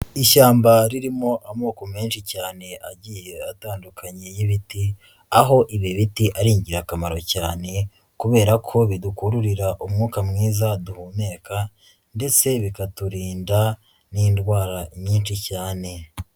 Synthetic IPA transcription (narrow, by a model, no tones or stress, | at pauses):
iʃaːmbaɾiɾimo̞ʔamoːkome̞ːnʃicaːne̞ʔaɟijeataːndukʰaɲe̞jiβiti | aɦo̞ʔiβiβitiʔaɾiːɲɟiɾakamaɾo̞caːne̞ | kuβe̞ːɾakʰo̞βidukuɾuɾiɾaʔumŋuːkamŋiːzaduhume̞ka | nde̞t͡se̞βikatuɾiːnda | niːndwaːɾaʔiɲɲiːnʃicaːne̞